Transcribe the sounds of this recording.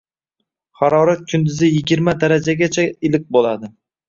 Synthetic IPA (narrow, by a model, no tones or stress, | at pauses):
χɑɾɒɾat̪̚kʰʊnd̪ɪzɪjɪɡʲɪɾmad̪aɾad͡ʒaɡʲat͡ʃʰaɪlɪk̚ʲbolad̪ɪ